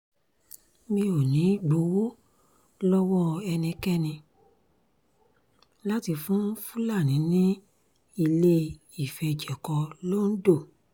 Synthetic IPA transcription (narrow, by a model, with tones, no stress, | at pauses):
mĩ˧˦o˨nĩ˨˦ɡ͡bo˨˧˦wo˦ | lɔ˦wɔ˦ɛ˧nĩ˧kɛ˦nĩ˧ | la˦ti˧fũ˦fu˦la˦˨nĩ˨˦nĩ˦ | i˧le˦ | i˦˨fɛ˧d͡ʒɛ˨kɔ˧lo˦n̩˦do˦˨